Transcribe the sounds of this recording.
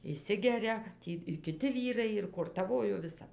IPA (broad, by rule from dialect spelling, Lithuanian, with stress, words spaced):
ɪʃʲˈsʲɪɡʲɛrʲɛ ˈtʲiː ɪr kʲɪˈtʲɪ ˈʋʲiːrɐɪ ɪr koːrtɐˈʋoːjoː ʋʲɪˈsɐp